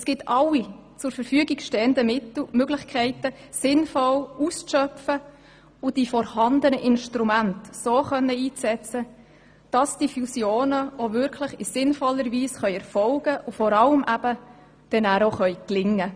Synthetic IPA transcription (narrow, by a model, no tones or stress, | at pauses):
sɡ̥ɪtʰɑlːit͡sʊɾfəɾfyəɡiɡ̥ʃtɛːənd̪əmɪt̪l̩møɡlɪχkʰɛɪtə | sɪnfɔlust͡sʃœpfə | ʊd̥ifɔɾhɑnd̪ənəʔɪnʃtɾumæntsoːχœnːəiːt͡sɛt͡sə | d̥ɑsd̥ifusjoːnəovʏɾkʰləχɪsɪnfɔlːəɾviːsχœʏɛɾfɔlɡ̥əʔʊfɔɾɑləmʔæb̥ə | d̥ɛnæːɾoχœʏklɪŋːə